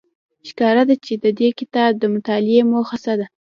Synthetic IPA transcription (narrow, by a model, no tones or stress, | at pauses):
ʃkɑɾad̪at͡ʃed̪əd̪ekɪt̪ɑb̚d̪əmʊt̪ɑlɪemoxasad̪a